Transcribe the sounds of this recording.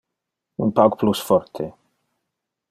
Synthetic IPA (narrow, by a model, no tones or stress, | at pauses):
ṵnpawɡplusfɔɾt̪ʰe